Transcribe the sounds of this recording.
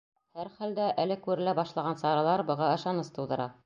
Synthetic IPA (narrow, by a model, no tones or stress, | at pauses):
hæɾχæld̪æʔælɘkʉɾɘ̆læbɑʃlˠɑʁɑnsɑɾɑlˠɑɾbɤ̆ʁɑɤ̆ʃɑnɤst̪ɤ̆wd̪ɤ̆ɾɑ